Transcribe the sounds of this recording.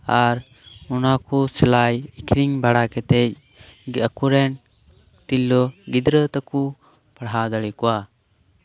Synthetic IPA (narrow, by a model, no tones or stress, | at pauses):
aɾ | unakusɛlajikʰɾiŋbaɽakɛt̪ɛc̚ | akuɾɛn | t̪ilːɔɡid̪ɾət̪aku | paɽɦad̪aɽikɔwa